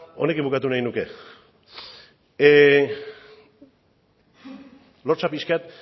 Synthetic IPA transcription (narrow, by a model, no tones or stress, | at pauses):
o̞̰ne̞kimbukat̪unajnuke̞ | lo̞ɾt͡sapiskat̪